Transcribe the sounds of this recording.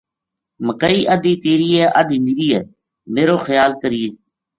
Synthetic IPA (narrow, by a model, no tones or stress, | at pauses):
məkəiːʔəd̪iːt̪eːɾiːɛːʔəd̪iːmiɾiːɛː | meːɾoːxəjaːlkəɾiːe